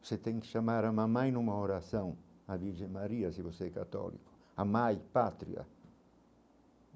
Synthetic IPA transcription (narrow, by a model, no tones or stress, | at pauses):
oset̪ɛ̃ŋ̃kɪ̥ʃamaɾamãmajnũmaoɾasɐ̃w̃aviɾʒẽmaɾiɐsivoseɛkat̪ɔ̰lḭkʊ̥ | amajpat̪ɾḭɐ̰